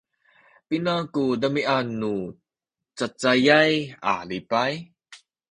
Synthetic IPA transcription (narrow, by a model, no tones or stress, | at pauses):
pinakudɐmiʔanu | t͡sat͡sajajʔa̰ːlipaj